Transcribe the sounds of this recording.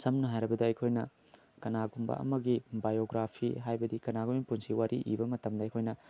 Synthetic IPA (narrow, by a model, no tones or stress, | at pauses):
sɐmnɐɦajɾɐbɐdɐɐjkʰojnɐ | kɐnaɡumbɐ̰ɐ̰mɐɡibajoɡɾapʰiɦajbɐdikɐnaɡuminpunsiwaɾʔḭʔḭbɐmɐtɐmdɐɐjkʰojnɐ